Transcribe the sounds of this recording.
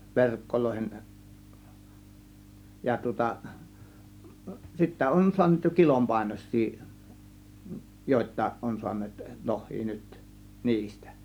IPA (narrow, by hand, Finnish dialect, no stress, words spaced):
ʋerkːoloˑihen jɑ tŭŏtɑ sitːæ on suɑnˑeːt jo kilompɑˑe̝noisˑiː joˑe̝tˑɑˑe̝ʔ ʔon su̞ɑnˑeːt lohˑiː nyt niːstæ̥